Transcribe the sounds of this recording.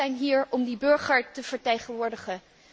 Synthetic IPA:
ɛjnɦiːɹɔmdibɵɹχəɹtəv̥əɹteːχənʋʊːɹdəχə

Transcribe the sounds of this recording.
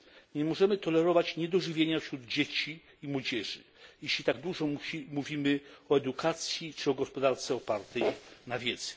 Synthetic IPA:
ɲɛmɔʐɛmɘt̪ɔlɛɾɔvat͡ɕɲɛd̪ɔʐɘvʲjeɲafɕɾud̪d͡ʑet͡ɕiː | mwɔd͡ʑɛʐɘ̰ | jeɕlʲit̪aɡd̪wuʐɔmmuvʲimɘɔɛd̪ukʰat̪sʲjit͡ʂɘɔɡɔspɔd̪aɾt̪sɛɔpaɾt̪ɛjnavʲjɛd̪zɛ̥

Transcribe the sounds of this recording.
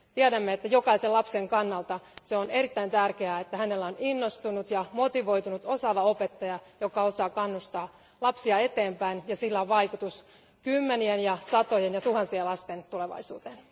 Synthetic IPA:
t̪iædæmːeet̪ːæjo̞kɑiselɑpseŋkɑnːɑlt̪ɑseone̞ɾit̪ːæint̪ærkeæet̪ːæhænelːæoninːost̪unut̪jɑmo̞t̪iʋo̞it̪unut̪o̞sɑʋɑo̞pet̪ːɑjɑjokɑo̞sɑːkɑnːust̪ɑː | lɑpsiɑe̞t̪eːmpæinjɑsilːæoʋʋɑikut̪us | kymːenienjɑsɑt̪ojenjɑt̪uhɑnsielɑst̪ent̪uleʋɑ̰isṵːt̪en

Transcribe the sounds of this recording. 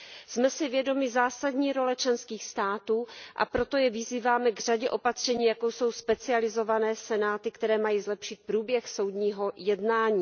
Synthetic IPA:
smɛsɪvjɛdo̞mɪzaːsadɲiːɾo̞lɛt͡ʃlɛnskiːxst̪aːt̪uːʔa̰pɾo̞t̪o̞jɛvɪziːvaːmɛɡr̝̥aɟɛʔo̞pat̪r̝̥ɛɲiːjakowso̞wspɛt͡sɪalɪzo̞vanɛːsɛnaːt̪ɪkt̪ɛɾɛːmajiːzlɛpʃɪt̪̚pɾuːbjɛxso̞wd̪ɲiːɦo̞jɛdnaːɲiː

